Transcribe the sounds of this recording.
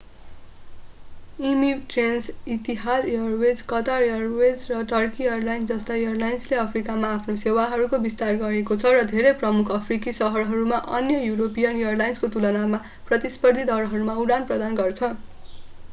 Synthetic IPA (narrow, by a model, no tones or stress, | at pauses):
imiʈrensit̪iɦasjʌrwed͡zkʌt̪arjʌrwed͡zrʌʈʌrkiʌrlajnsd͡zʌst̪ajʌrlajnsleʌpʰrikamaːpʰnosewaɦʌɾukobist̪arɡʌɾekot͡sʰʌrʌd̪ʱeɾejprʌmukʰʌpʰrikisʌɦʌɾɦʌɾumaʔʌ̰njʌjuɾopijʌnjʌrlajnskot̪ulʌnama | prʌt̪ispʌrd̪ʱid̪ʌɾɦʌɾumauɽanprʌd̪anɡʌrt͡sʰʌ